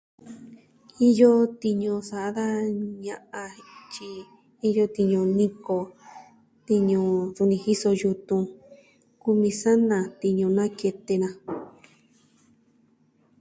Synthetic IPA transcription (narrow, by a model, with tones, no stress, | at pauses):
i˦jo˦t̪i˧ɲũ˧sa˧˨a˦ða˦ɲã˧ʔa˧t͡ʃiː˧˦˧ | jo˧t̪i˧ɲũ˧nĩ˧ko˧ | t̪i˧ɲũ˧su˧nĩ˧hi˦so˧ju˧t̪ũ˧ | ku˧mĩ˧sa˦nã˨t̪i˧ɲũ˧nã˦ke˧t̪e˧nã˧